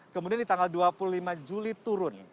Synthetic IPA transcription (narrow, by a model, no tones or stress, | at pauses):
kəmudiandit̪aŋɡalduapululimad͡ʒulit̪uɾʊn